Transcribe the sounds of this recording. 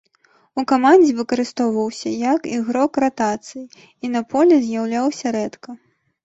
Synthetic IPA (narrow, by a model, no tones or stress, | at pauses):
ukamanʲd͡zʲivɨkɐɾɨst̪ɔwvɐwsʲɐjɐkiɣɾɔkrat̪at̪sɨji | inɐpʰɔlʲɛzʲjawlʲawsʲɐɾɛt̪kɐ